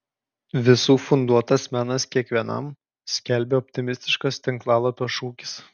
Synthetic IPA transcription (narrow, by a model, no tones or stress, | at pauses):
ʋʲɪsuːfʊnd̪uɔt̪ɐsmʲænɐskʲiɛkʋʲiɛnɐ̰m | sʲkʲɛlʲbʲeːɔpʲt̪ʲɪmʲɪsʲt̪ʲɪʃkɐst̪ʲɪŋklˠɑːlˠɐpʲoːʃuːkʲɪ̥s